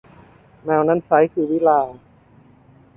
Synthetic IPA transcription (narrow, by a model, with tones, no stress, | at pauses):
mɛː˧˩wna˦˥˨nsa˨˦˥jkʰɯː˧˩wiː˦˥laː˧